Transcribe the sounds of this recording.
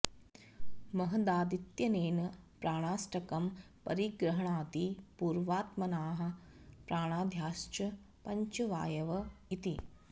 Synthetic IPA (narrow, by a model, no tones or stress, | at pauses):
mɐɦɐd̪aːd̪it̪jɐneːnɐpɾaːɳ̃aːsʈɐkɐm | pɐ̰ɾiɡɾɐɦɐɳaːt̪ipuːɾʋaːt̪mɐnaːɦɐ̆pɾaːɽ̃aːd̪ʱjaːʃt͡ʃɐ | pɐɲt͡ʃɐʋa̰ːjɐʋɐit̪i